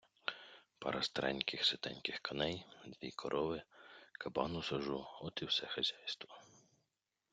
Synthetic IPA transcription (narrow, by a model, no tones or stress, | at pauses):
pɐ̰ɾʔɐst̪ɾʔɛ̰nʲkɪxsɪt̪ɛnʲkɪxkɐnɛjd̪ʋʲḭkʰɔɾʔɔʋɪkɐbɑnʊsɐʒuɔt̪ɪwsɛxɐzʲajst̪ʋɔ